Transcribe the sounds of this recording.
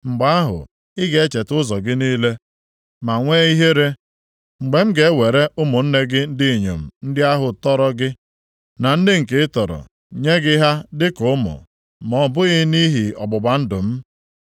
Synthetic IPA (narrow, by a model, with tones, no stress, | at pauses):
ŋ͡m̩˨ɡ͡ba˨˦a˦ɦʊ̰˨ | ɪ˦ɡe˨˦t͡ʃe˨tʊ˦zɔ˨ɡɪ˦niː˦le˦ | ma˨ŋʷeː˦i˦ɦe˦ɾe˦ | ŋ͡m̩˨ɡ͡be˨m̩˦ɡe˨˦we˨ɾe˦ʊ˦mʊ˨n̩˦ne˦ɡɪ˦n̩˦dɪ˦˨ɲo̰˨m̩˨n̩˦dɪ˦a˦ɦʊ˨tɔ˦ɾɔ˦ɡɪ˦ | na˨n̩˦dɪ˦ŋ̩˨ke˨ɪ˦tɔ˨ɾɔ̰˨ | ɲe˦ɡɪ˦ɦa˦dɪ˦kʊ˨˦ʊ˦mʊ̰˨ | mɔ˨˦bʊ˦ɣɪ˦ni˦ɦi˨ɔ̰˨ɡ͡bʊ˨ɡ͡ba˨n̩˦dʊ˨m̩˦